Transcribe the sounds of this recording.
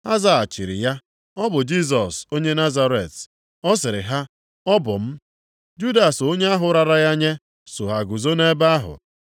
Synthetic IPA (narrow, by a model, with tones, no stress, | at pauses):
a˦za˨a˨t͡ʃi˨ɾɪ̰˨ja˦ | ɔ˦bʊ˨d͡ʒi˦s̬ɔ˨so˦ɲe˦na˦za˦ɾe˨t | ɔ˦s̬ɪ˨ɾɪ˨ɦa˦ | ɔ˦bʊ˨m̩˦ | d͡ʒu˦da˨so˦ɲe˦a˦ɦʊ˨˦ɾa˨ɾa˦ja˦ɲe˦ | so˨ɦa˨ɡu˨zo˦ne˦ba˦a˦ɦʊ̰˨